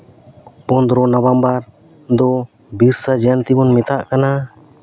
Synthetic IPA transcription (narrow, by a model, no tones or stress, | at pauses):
pɔnd̪ɾɔnɔbambaɾ | d̪ɔ | biɾsad͡ʒant̪ibɔnmɛt̪aʔkana